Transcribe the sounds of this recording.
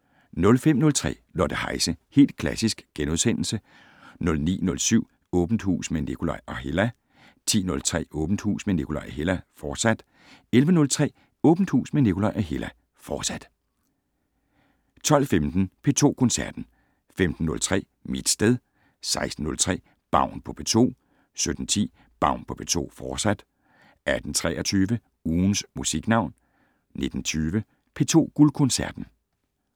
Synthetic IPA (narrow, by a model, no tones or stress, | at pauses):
nɔ̽lfem̰nɔ̽lt͡sʰʁɛ̰ːlɒ̰ːd̥ehɑ̈ɪsəhe̝̰ːld̥̚kʰlæsisɡ̥ɡ̥enuðˠsen̰l̩sə | nɔ̽lnḭːnɔ̽lsyʊ̰ | ɔ̽ːb̥n̩d̥hṵːsmene̝kʰulɑʔɒɦe̝læ | t͡sʰḭːnɔ̽lt͡sʰʁɛ̰ːɔ̽ːb̥n̩̥hṵːsmene̝kʰulɑʔæɦe̝læfɒːd̥sæd̥ | elʋənɔ̽lt͡sʰʁɛ̰ː | ɔ̽ːb̥n̩̥hṵːsmene̝kʰulɑʔæɦe̝læ | fɒːd̥sæd̥ | t͡sʰɒ̽l̰femd̥n̩pʰe̝t͡sʰo̝̰ːkʰɔ̽nsæɐd̥n̩ | femd̥n̩ːɔ̽lt͡sʰʁɛ̰ː | mid̥sd̥eðˠ | sɑ̈ɪsd̥n̩ːɔ̽lt͡sʰʁɛ̰ː | b̥ɑ̈ʊ̰npʰɒ̽pʰe̝t͡sʰo̝̰ː | sød̥n̩t͡sʰḭː | b̥ɑ̈ʊ̰npʰɒ̽pʰe̝t͡sʰo̝̰ːfɒːsæd̥ | æd̥n̩t͡sʰʁɛ̰ːɐt͡sʰyːʋə | uːnsmusiɡ̥nɑ̈ʊ̰n | ne̝d̥n̩t͡sʰyːʋə | pʰe̝ːt͡sʰo̝̰ːɡ̥ulkʰɔnsæɐd̥n̩